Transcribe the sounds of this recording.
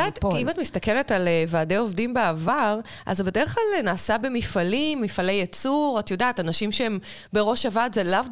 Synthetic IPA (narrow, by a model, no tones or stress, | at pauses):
atimatmist̪ɐke̞le̞talevaːde̞jo̞vdimbeavaʁʔa̰zatbe̞deʁχklalnaːsabemifalimːifalejet͡suʁatjodaːtanaʃimʃeem | be̞ʁo̞ʃavatzelav